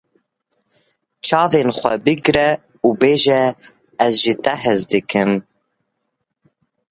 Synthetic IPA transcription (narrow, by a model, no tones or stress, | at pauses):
t͡ʃʰɑːveːnxʷɛ̰bɨɡɾɛ | ubeːʒɛ | ɛzʒit̪ɛɦɛzd̪ɨkʰɨm